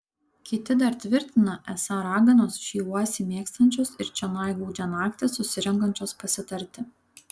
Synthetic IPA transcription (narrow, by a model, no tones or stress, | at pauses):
kʲɪt̪ʲɪd̪ɐɾt̪ʲʋʲɪɾʲt̪ʲɪnɐʔɛsɑɾɑːɡɐnoːsʃʲiːuɔsʲimʲiːkst̪ɐnʲt͡ʃʲoːsɪɾt͡ʃʲɛnɑˑɪjɡɐʊd͡ʒʲɛnɑːkt̪ʲesʊsʲɪɾʲɛŋɡɐnʲt͡ʃʲoːspɐsʲɪt̪ɐɾʲˑt̪ʲɪ